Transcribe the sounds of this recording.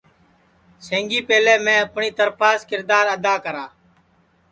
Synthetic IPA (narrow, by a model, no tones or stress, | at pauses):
sẽːŋɡiːpeːlɛːmɛ̃ːəpɳiːt̪əɾpaːskɪɾd̪aːɾəd̪aːkəɾaː